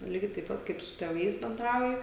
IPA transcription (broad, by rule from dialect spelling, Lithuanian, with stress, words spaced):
ˈlʲiːɡʲɛɪ tɐɪp ˈpɐt kɐɪp sʊ tʲeːˈʋɐɪs bʲɛnˈdrɐʊjɪ